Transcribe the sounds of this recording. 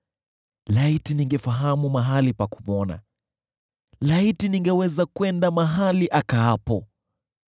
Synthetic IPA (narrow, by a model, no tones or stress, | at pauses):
laitiniŋɡɛfaɦamumaɦalipaku̥mɔna̰ | laitiniŋɡɛwɛzakwɛndamaɦaliʔakaapɔ